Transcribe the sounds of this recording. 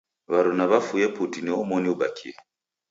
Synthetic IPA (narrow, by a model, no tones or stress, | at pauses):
βaɾɔnaβafujɛputiniɔmɔniuba̰kʰiɛ